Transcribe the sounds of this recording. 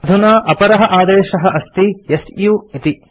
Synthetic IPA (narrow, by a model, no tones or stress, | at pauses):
d̪ʱunaːʔɐpɐɾɐɦɐ̆ʔaːd̪eːʃɐɦɐʔɐst̪ijesjuit̪i